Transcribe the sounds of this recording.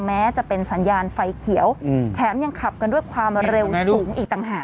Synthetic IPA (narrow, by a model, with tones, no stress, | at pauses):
mɛː˦˥t͡ɕa˨˩pe˧nsa˩˦njaː˧nfa˧jkʰi˩˦əwt̪ʰɛː˩˦mja˧ŋkʰa˨˩p̚ka˧ndu˥˩əjkʰwaː˧mɾe˧wsuː˩˦ŋʔiː˨k̚t̪a˨˩ŋɦaː˨˩